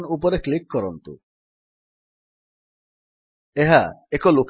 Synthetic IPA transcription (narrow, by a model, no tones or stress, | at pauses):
nupɔɾeklikːɔɾɔnt̪ṵ | eɦaekoluk